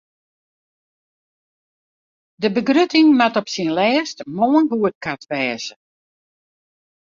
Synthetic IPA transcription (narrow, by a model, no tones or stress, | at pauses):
dəbəɡrøtɪŋmatɔpsinlɛːstmoːənɦuət̚katʋɛːzə